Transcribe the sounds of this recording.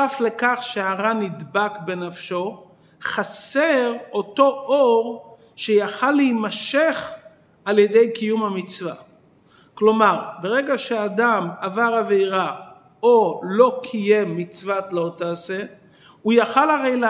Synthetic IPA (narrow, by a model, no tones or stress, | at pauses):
afle̞kaχʃeaʁanidbakbe̞nafʃo̞ | χaseʁo̞to̞ʔoʁ | ʃejaχalːeimaʃe̞χ | aljede̞jkijumhamit͡sva | klo̞maʁbe̞ʁe̞ɡaʃeadamavaʁave̞jʁa | olo̞kʰije̞mːit͡svatlootaːse | ujaχalaʁejl